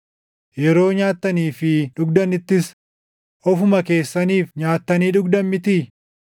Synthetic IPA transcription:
jɛɾo̞ːɲaːt̪ːɐniːfɪᶑʊɡd̪ɐnɪt̪ːɪs | ʔɔfʊmɐke̞ːsːɐniːfɲaːt̪ːɐniːᶑʊɡd̪ɐmmɪt̪iː

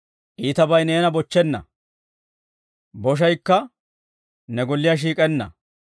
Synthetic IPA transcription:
ʔiːt̪ɐbɐjneːnɐbɔt͡ʃːɛnːɐ̰ | bɔʃ̬ɐjkːɐ | nɛɡɔlːɪjaʃ̬iːkʼɛnːɐ̰

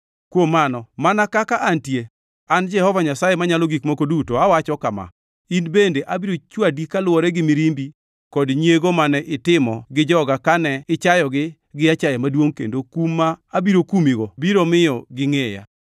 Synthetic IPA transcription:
kwomːanɔmanakakaʔantje | and͡ʒɛhɔvaɲasajemaɲalɔɡikmokodutoawat͡ʃɔkama̰ | inbendeʔabiɾot͡ʃwadikalwɔɾɛɡɪmiɾimbi | kɔdɲeɡomanɛʔɪtɪmɔɡɪd͡ʒɔɡakanɛɪt͡ʃajɔɡɪ | ɡɪat͡ʃajemadwoŋkḛndokumːaːbiɾokumiɡɔbiɾomɪjɔɡɪŋeja̰

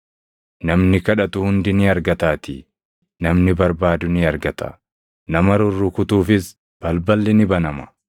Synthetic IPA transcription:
nɐmnɪkɐᶑɐt̪ʊhʊnd̪ɪnɪɐɾɡɐt̪aːt̪ɪ | nɐmnɪbɐɾbaːd̪ʊnɪɐɾɡɐt̪ɐ̰ | nɐmɐɾʊrːʊkʊt̪uːfɪs | b̥ɐlbɐlːɪnɪbɐnɐmɐ̥

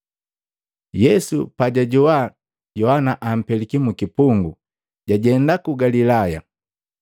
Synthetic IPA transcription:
jɛsupaɟaɟɔwa | ɟɔhanaʔam̩pɛlikimukipuŋɡu | ɟaɟɛndakuɡalilaja

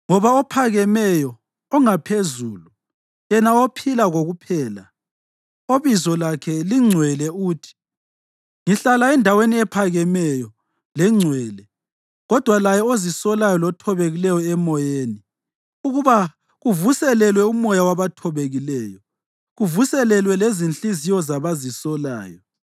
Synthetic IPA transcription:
ŋɔβaɔpʰaɣɛmɛjɔ | ɔŋapʰezuːlu | jɛnaopʰilaɣoɣupʰɛːla̰ | oβizɔlakʰɛliŋ͡ǀʱwɛlɛuːtʰi̥ | ŋiɬalaɛndʱaweniɛpʰaɣɛmɛjɔ | lɛŋ͡ǀʱwɛːlɛ | ɣɔd̥ʱwalajɛozisɔlajɔlɔtʰɔβeɣilɛjɔɛmɔjeːni | uɣuβa | ɣuvusɛlɛlwɛumɔjawaβatʰɔβeɣilɛːjɔ | ɣuvusɛlɛlwɛlezint͡ɬizijɔzaβazisɔla̰ːjɔ

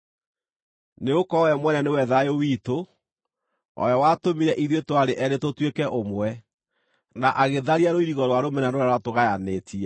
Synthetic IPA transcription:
neokɔwɛmwɛnɛnewɛðaeowiːto | ɔ̰jɔwatomiɾɛʔiðwetoaɾeʔɛɾetotwekɛʔomwɛ | naʔaɣeðaɾiaɾoiɾiɣɔɾwaɾomɛnanoɾaɾwatoɣajanetʰiɛ

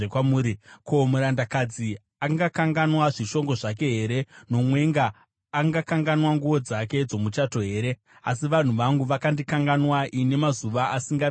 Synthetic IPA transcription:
ekwamuːɾikomuɾandakad͡zi | aŋɡakaŋɡanwaʐiʃo̞ŋɡo̞ʐak̬e̞ɦe̞ɾe̞no̞mwe̞ŋɡaː | ŋɡakaŋɡanwaŋɡuʋo̞d͡zake̞d͡zo̞mut͡ʃato̞ɦe̞ːɾe̞ | as̬iʋan̤uʋaŋɡuʋakandikaŋɡanwaʔine̞mazuʋaʔasiŋɡa

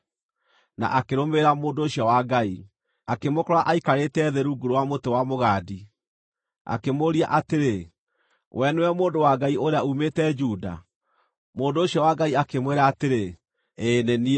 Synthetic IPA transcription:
na̰ʔakeɾomeɾamoːndoːɕjɔwaɡai | akemokɔɾɔaʔaikaɾetɛðeɾuɡuɾowamotewamoɣaːdi | a̰kemoɾiaʔateɾe | wʔɛneɛmoːndowaɡaiʔoɾeaumetɛd͡ʒuda̰ | moːndoːɕiɔwaɡaiakemweɾaːteɾe | eːneni

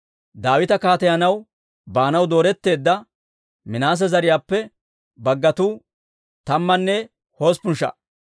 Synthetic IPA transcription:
d̪aːwɪt̪ɐkaːt̪ɛjɐnɐw | baːnɐwd̪o̞ːɾɛt̪ːe̞ːd̪ːɐ | mɪnaːs̬ɛzɐɾɪjaːpːɛ | bɐɡːɐt̪uː | t̪ɐmːɐnːɛ | ho̞ːspʊnʃɐ̰

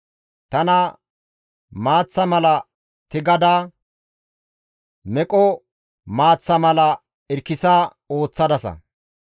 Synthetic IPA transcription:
t̪ɐnɐ | maːt͡sːɐmɐlɐ | t̪ɪɡɐd̪aː | mɛkʼɔ | maːt͡sːɐmɐlɐ | ɪɾkːɪsaː | o̞ːt͡sːɐd̪ɐsɐ̰

